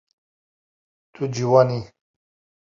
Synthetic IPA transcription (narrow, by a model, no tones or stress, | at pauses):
t̪ʰud͡ʑiwani